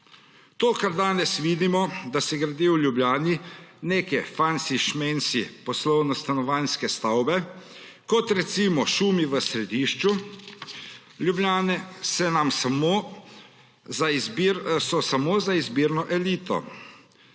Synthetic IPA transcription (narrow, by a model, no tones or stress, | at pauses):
t̪oːkaɾd̪aːnɛsʋiːd̪imɔd̪asɛɡɾad̪iːwljubljaːnineːkɛfansiʃmensḭpɔslɔwnɔst̪anɔʋanskɛst̪awbɛ | kɔt̪ɾɛt̪siːmɔʃuːmiʋəsɾɛd̪iːʃt͡ʃu | ljubljaːnɛsɛnamsamo | zazbiɾsɔsamoːzaizbiːɾnɔʔɛliːt̪ɔ̰